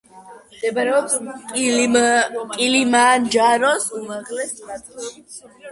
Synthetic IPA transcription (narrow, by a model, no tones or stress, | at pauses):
md̪ɛbaɾɛɔpskʼ | kʼilimand͡ʒaɾɔsumaʁlɛst̪